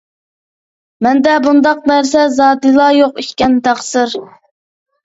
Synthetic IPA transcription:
mɛnd̪ɛbund̪ɑq̚næɾsɛzɑːd̪ɨlˠɑjoqitkʲɛnt̪ʰæχsɨɾ

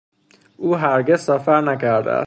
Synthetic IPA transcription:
ʔuːɦæɾɟezsæfæɾnæcʰæɾd̪æ̰æ̰s

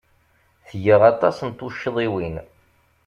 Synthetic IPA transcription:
θjəʁɑt̪ˤɑsənt̪uʃːðˤiwin

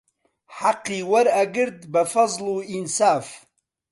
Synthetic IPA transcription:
ħaqːiːwaɾaɡɨɾd̪bafɑzˤluinsaːf

